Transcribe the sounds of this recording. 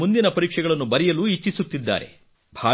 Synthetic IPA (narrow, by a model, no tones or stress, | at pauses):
und̪inɐpɐɾiːkʂɛɡɐɭɐnːubɐɾɛjɐluːit͡ʃːisut̪ːid̪ːa̰ːɾe̞̰ | bʱaː